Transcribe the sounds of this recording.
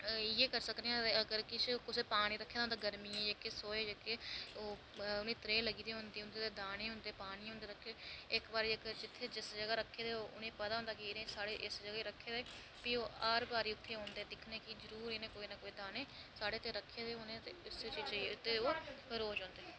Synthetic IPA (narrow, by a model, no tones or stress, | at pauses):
ɪeːkəɾsəkd̪eːãəɡəɾkɪskɪseːpaːɽ̃iːɾəkʰːeːd̪ãːnd̪aːɡəɾmiːẽːd͡ʒeːkesoːeːd͡ʒeːkeoː | ʊnẽːt̪ɾeːləɡiːd̪eːɦʊnd̪eːʊ̃nd̪eːt̪eːd̪aːñeːɦʊ̃nd̪eːpaːɽ̃iːɦõːnd̪eːɾəkʰːeːɪkbaːɾeːəɡəɾd͡ʒɪt̪ʰːeːd͡ʒɪsd͡ʒəɡaːɾəkʰːeːd̪eːoːʔʊnẽːpəd̪aːɦʊ̃ːnd̪aːkiːɾẽːsaːɽeːʔɪsd͡ʒəɡaiɾəkʰːeːd̪eː | pioːaːɾbaːɾiːʊt̪ʰːeːɦõːnd̪eːd̪ɪkʰneːkizəɾuːɾeːnẽːkoːiːnaːkoːiːd̪aːneːsaːɽeːt̪ːeːɾəkʰːeːd̪eːoːnẽːt̪eʊst͡ʃːt͡ʃːʊt̪ːeːoːɾoːd͡ʒõːnd̪eː